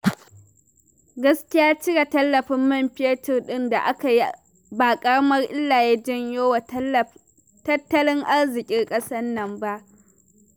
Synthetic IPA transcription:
ɡɐ˦skʲɪ˦jaː˦t͡ʃɪ˦ɽa˨tɐ˦lːɐ˨ɸɪ˦mːɐ˦˨mɸɪ˦e˦tɪ˨rɗɪ˦nda˨ʔa˦ka˨ji˦ | ba˨kʼɐ˦ɽɐ˦mɐ˦rʔɪ˦lːaː˨je˦d͡ʒɪ˦ɲjoː˦w | tɐ˦tːɐ˦lɪ˦ŋʔa˦rzɪ˨kʲʼɪ˦rkʼɐ˦sɐ˦nːɐ˨mba˦ʔ

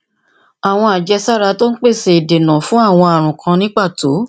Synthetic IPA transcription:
a˨w̃ɔ̃˧a˨d͡ʒɛ˧sa˦˨ɾa˧to˦n̩˦k͡pe˦˨se˧i˨de˨nã˨fũ˦a˦˨w̃ɔ̃˧a˨ɾ̃ũ˨kʰã˧nĩ˦k͡pa˦˨to˨˦

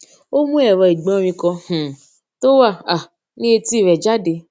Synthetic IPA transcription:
o˦mũ˦ɛ˦˨ɾɔ˧˨i˨ɡ͡bɔ̃˦˧ɾ̃ĩ˧kɔ̃˧h̩˨ | to˦wa˦˨a˨ | nĩ˦e˧ti˦˨ɾɛ˨d͡ʒa˦de˧

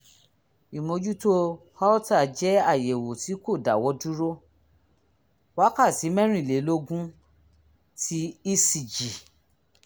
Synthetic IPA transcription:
i˨mo˨˧d͡ʒu˦to˦ | ha˦ta˦˨d͡ʒɛ˦a˦˨je˨wo˨ti˨˦ko˦˨da˨wɔ˧˦du˦ɾo˦ | wa˦ka˦˨ti˨˦mɛ̃˦ɾ̃ũĩ˦˨le˨˦lo˦ɡũ˦ | ti˦i˦si˨d͡ʒi˨

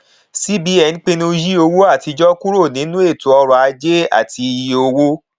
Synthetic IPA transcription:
si˦bi˨˦ɛ˨nĩ˦k͡pe˦˧nũ˧ji˦o˧wo˦a˦˨ti˧d͡ʒɔ˦ku˦ɾo˦˨nĩ˨˦nũ˦e˦˨to˨ɔ˧ɾɔ˨a˧d͡ʒe˦a̰˦˨ti˧ji˧o˧wo˦

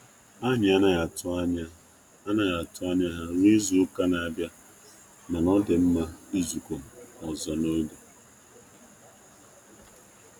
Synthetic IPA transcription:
a˦ɲɪ˨a˦na˨a˨tʊ˦a˦ɲa˦ | a˦na˦ɣa˨tʊ˦a˦ɲa˦ɦa˦ɾi˦zu˦ka˦na˨a˨bja˦ | na˨nɔ˦dɪ˨m̩˦ma˦i˦zu˨ko˨m̩˨ɔ˨zɔ˨no˦ɡo˨

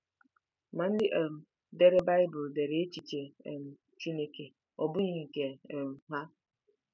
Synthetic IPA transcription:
ma˨n̩˦dɪ˦ʔe˨m̩˨ | de˦ɾe˦ba˦ɪ˦bʊ˨lde˨ɾe˨e˦t͡ʃi˨t͡ʃe˨e˨m̩˨ | t͡ʃi˦ne˦ke˨ | ɔ˨bʊ˦ɲi˦ŋ̩˨ke˨m̩˨ɦa˦

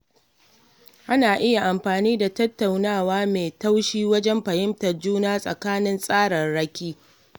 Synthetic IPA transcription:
ʔa˦naː˨ʔɪ˦ja˨ʔa˨mɸaː˨niː˦da˨tɐ˦tːa˨wnaː˦˨waː˦meː˨ta˦wʃiː˦wɐ˦d͡ʒɛ˦mɸɐ˨jɪ˦mtɐ˨rd͡ʒuː˦naː˦sʼɐ̰˨kaː˦nɪ˦nsʼaː˦ɽɐ˨nɽɐ˦kʲiː˦

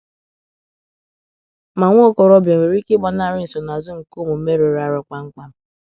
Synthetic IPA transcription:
ma˨ŋʷo˦kɔ˨ɾɔ˦bjɔ˨me˨ɾi˦kɪ˦bɔ˨na˦˨ɾɪ˦n̩˨so˨na˨zʊ˦ŋ̩˨ko˦˨mo˨˦me˦ɾe˨ɾa˦˨ɾɔ˨ka˦ŋ̩˦k͡pa˦m̩˦

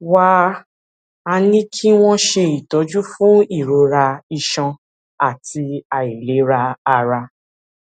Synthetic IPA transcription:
wa˦ | a˧nĩ˦kʰi˦w̃ɔ̃˦ʃe˧i˨tɔ˨˦d͡ʒu˦fũ˦i˦˨ɾo˧ɾa˧i˧ʃɔ̃˧ | a˦˨ti˧a˨i˨le˨˦ɾa˧a˧ɾa˧

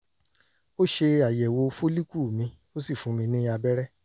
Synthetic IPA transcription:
o˦ʃe˧a˨jɛ˨wo˧fo˦li˦ku˦˨mĩ˧˦ | o˦si˦˨fũ˨˦mĩ˧nĩ˦a˧bɛ˦ɾɛ˦

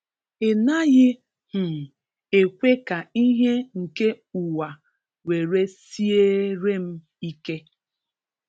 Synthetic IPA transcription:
e˨na˦ɣɪ˦ | h̩˨ | e˨kʷe˦ka˨i˦ɦe˦ŋ̩˨ke˦ | u˨wa˨ | we˨ɾe˦si˦e˦ɾe˦m̩˦ | i˦ke˦

